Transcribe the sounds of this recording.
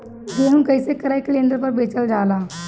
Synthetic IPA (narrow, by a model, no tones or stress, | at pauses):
d͡ʒeɦũmkəjsekəɾakleːnd̪ɾpəɾbeːt͡ʃəld͡ʒaːlaː